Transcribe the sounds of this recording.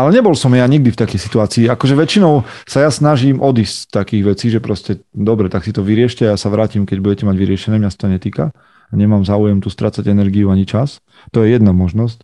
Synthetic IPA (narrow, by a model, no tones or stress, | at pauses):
alɛɲɛbɔlsɔmjaɲiɡ̚d̪ift̪akɛjsit̪uaːt͡siːakɔʒɛʋɛt͡ʃinɔʊsajasnaʒiːmʔɔd̪iːsst̪akiːɣʋɛt͡siːʒɛpɾɔscɛd̪ɔbɾɛt̪aksit̪ɔʋiɾɪɛʃcɛajasaʋɾaːcimkɛɟbuɟɛcɛmaɟʋiɾɪɛʃɛnɛːmɲasḁt̪ɔɲɛt̪iːka̰ | aɲɛmaːmzaːujɛmt̪ust̪ɾaːt͡saɟɛnɛɾɡiuaɲit͡ʃas | t̪ɔjɛjɛd̪namɔʒnɔsc